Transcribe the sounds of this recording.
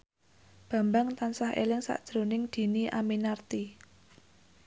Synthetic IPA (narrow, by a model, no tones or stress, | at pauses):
b̥ä̤mbaŋt̪ansahḛlɪŋsa̰ʔd̥ʒ̥ɾo̤nɪŋd̪̥i̤niʔaminart̪i